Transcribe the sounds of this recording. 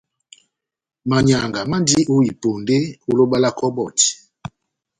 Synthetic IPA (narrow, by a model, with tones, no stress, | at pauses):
ma˨ɲa˨ŋɡa˨ma˦ndi˦ʔo˦i˨po˨nde˦o˦lo˦ɓa˦la˦kʰɔ˦bɔ˨t